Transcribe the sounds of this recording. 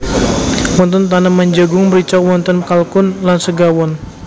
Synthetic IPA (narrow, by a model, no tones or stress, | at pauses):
mɔnt̪ɔnt̪̬anamaɲd͡ʒəɡʊŋmbəɾit͡ʃɔk̚wɔnt̪ɔnkalkʊnlansəɡawɔn